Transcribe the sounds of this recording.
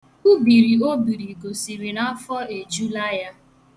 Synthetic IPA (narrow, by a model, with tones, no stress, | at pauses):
u˦bi˨ɾi˨o˦bi˨ɾi˨ko˨si˨ɾi˨na˦fɔ˦e˨d͡ʒu˦la˦ja˦